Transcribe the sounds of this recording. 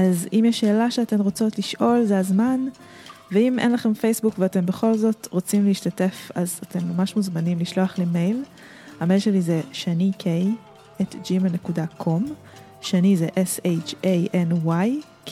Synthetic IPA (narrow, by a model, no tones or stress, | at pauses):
ʔazimjɛʃːe̞ːlaʃeate̞mʁot͡so̞tliʃʔo̞lzeazman | veimʔḛnlaχe̞mfejsbukveate̞mbe̞χo̞lzo̞tʁot͡simleiʃtate̞fazate̞mːamaʃmuzmanimliʃloaχleme̞jl | hamejlʃe̞lizeʃanikʰej | ʔetd͡ʒimanekudakʰo̞m | ʃanizeʔeset͡ʃejʔenwaj